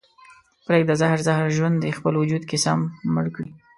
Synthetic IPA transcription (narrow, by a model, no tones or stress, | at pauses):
pɾek̚d̪əzahɾzahɾʒwand̪expəlwʊd͡ʒud̪kesamːəɽkɽi